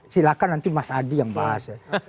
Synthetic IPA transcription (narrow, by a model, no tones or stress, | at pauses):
silakanant̪imasadijaŋba̰ɦa̰s